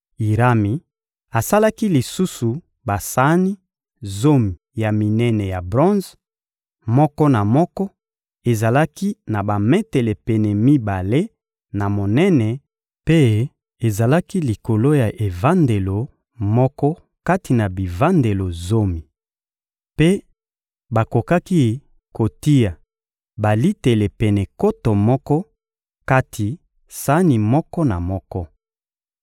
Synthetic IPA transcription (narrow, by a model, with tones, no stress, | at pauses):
i˨ʁa˦mi˨ | a˨sa˦la˦ki˦li˨su˦su˨ | ba˨sa˦ni˦ | zo˦mi˨ja˨mi˨nɛ˦nɛ˨ja˨bʁɔ̃˦nz | mɔ˦kɔ˦na˨mɔ˦kɔ˦ | e˨za˨la˦ki˦na˨ba˨mɛ˦tɛ˨lɛ˨pe˨nɛ˨mi˦ba˨le˦ | na˨mo˨nɛ˦nɛ˨ | pe˦ | e˨za˨la˦ki˦li˨ko˨lo˦ja˨ʔe˨va˦nde˨lo˨ | mɔ˦kɔ˦ | ka˦ti˨na˨bi˨va˦nde˨lo˨zo˦mi˨ | pe˦ | ba˨ko˨ka˦ki˦ | ko˨ti˦ja˨ | ba˨li˦te˨le˨pɛ˨nɛ˨ko˦to˨mɔ˦kɔ˦ | ka˦tʰi˨ | sa˦ni˨mɔ˦kɔ˦na˨mɔ˦kɔ˦